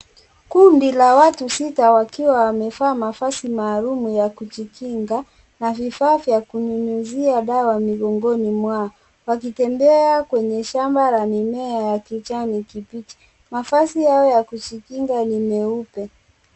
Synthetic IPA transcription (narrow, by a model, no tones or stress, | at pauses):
kundilawatusitawakiwawamɛfaːmafasimaːlumujakut͡ʃikiŋɡa | navifaːvjakuɲuɲuziaɗawamiɠɔŋɡɔnimwa | wakitɛmbɛakwɛɲɛʃambalanimɛajakit͡ʃanikipit͡ʃi̥ | mafasihaɔjakut͡ʃikiŋɡanimɛupɛ